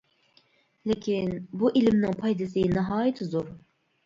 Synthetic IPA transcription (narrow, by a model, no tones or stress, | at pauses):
lɪkʲʰinbuʔilɪmnɪŋpʰɑjd̪ɨsɨnɑɦɑːjɪt̪ʰɪzoɾ